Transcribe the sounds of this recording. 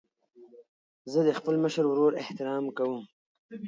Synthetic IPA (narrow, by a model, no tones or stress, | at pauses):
zəd̪əxpəlməʃəɾwɾoɾɪht̪ɪɾɑmkawəm